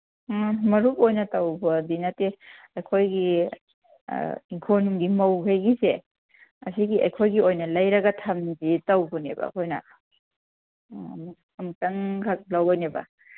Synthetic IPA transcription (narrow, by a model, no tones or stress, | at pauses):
mɐɾup̚ojnɐtɐwbɐdinate | ɐjkʰojɡḭ | iŋkʰonɡimɐwɦɐjɡise | ɐ̰siɡiɐ̰jkʰojɡiojnɐlɐjɾɐɡɐtʰɐmzitɐwbunḛbɐ̰kʰojnɐ̰ | ɐmtɐŋkʰak̚lɐwonebɐ̰